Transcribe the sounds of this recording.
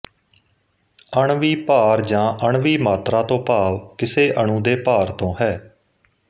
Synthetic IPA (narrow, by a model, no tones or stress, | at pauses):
əɳʋiːpaːɾd͡ʒãːʔəɳʋiːmaːt̪ɾaːt̪õːpaːʋkɪseːʔəɳũːd̪eːpaːɾt̪õːhɛː